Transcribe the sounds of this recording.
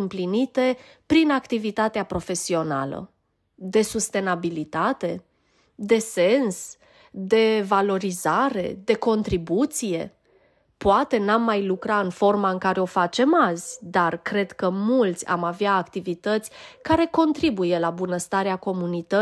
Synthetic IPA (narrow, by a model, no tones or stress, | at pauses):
ɨmplinit̪e̞pɾinakt̪ivit̪at̪eapɾo̞fe̞sio̞na̰lə̰ | d̪e̞sust̪e̞nabilit̪at̪e̞ | d̪e̞se̞ns | d̪e̞valo̞ɾizaɾe̞̰d̪e̞ko̞nt̪ɾibut̪sije̞̰ | poat̪e̞namːajlukɾaɨnfo̞rmaɨŋkaɾe̞o̞fat͡ʃe̞mazʲd̪arkɾe̞d̪kəmult̪sʲa̰maveaːkt̪ivit̪ət̪sʲkaɾe̞ko̞nt̪ɾibuje̞labunəst̪aɾeako̞munit̪ə